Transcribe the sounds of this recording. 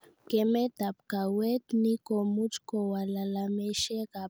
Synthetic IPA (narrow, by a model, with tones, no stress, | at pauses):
kɛ˨mɛ˦t̪a˨pka˨wɛ˦t̪ni˦kɔ˨mu˦t͡ʃkɔ˨wa˨la˨lamɛ˦ʃɛ˦ka˨